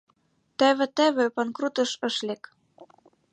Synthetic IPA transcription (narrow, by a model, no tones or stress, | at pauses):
t̪æβɘ̆t̪æβɘ̆pɑnkrut̪ɤ̆ʃɤ̆ʃlek